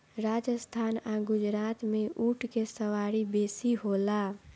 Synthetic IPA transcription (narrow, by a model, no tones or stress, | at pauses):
ɾaːd͡ʒəst̪ʰaːnaɡʊd͡ʒɾaːt̪mẽʔuːʈʰkesəwaɾibeːsiɦola